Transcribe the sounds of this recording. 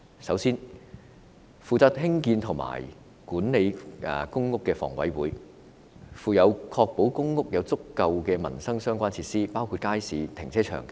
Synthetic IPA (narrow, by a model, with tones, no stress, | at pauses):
sɐ˨˥wsiː˥n | fuː˨˧t͡saː˨˥t̚ɦɪ˥ŋkiː˧nt̪ʰʊ˨˩ŋma̰ː˨˩j | kuː˨˥nne˨˧j̰kʊ˥ŋkʊ˥kːɛː˧fɔ̰ː˨˩ŋwɐ̰˨˥jwuː˨˥j | fuː˨˧jɐ˨˧wkʰɔː˧k̚po˨˥wkʊ˥ŋːʊ˥k̚jɐ˨˧wt͡sʊ˥kːɐ˧wkɛː˧mɐ̰˨˩nsɐ˥ŋsœː˥ŋkʷaː˥nt͡sʰiː˧t̚siː˥paː˥wkʰu˧t̚kaː˥jsiː˨˧t̪ʰɪ˨˩ŋt͡sʰɛː˥t͡ʃʰœ̰ː˨˩ŋ